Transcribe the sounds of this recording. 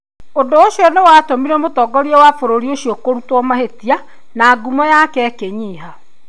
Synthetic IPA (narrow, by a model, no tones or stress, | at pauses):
ondoːʃiɔnewaːtomiɾɛmotɔɡɔɾiɛwafoɾoɾioʃiokoɾutwɔmaɦetia | naːɡumɔjakɛːkeɲiːɦa